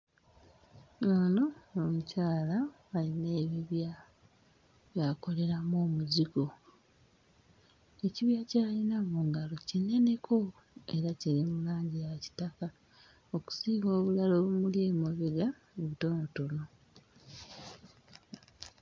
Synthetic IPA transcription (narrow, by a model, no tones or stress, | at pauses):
anoomucaːlaː | line̞ːβiβja | βjako̞le̞ɾamoːmuziɡo̞ | e̞ciβjacaːlinamuŋɡalo̞cine̞ne̞kʰo | e̞ɾaceɾimulaːɲɟijaci̥taka | oku̥siːɡoːβulalo̞βumuljeːmoβiɾja | oβito̞noto̞no̞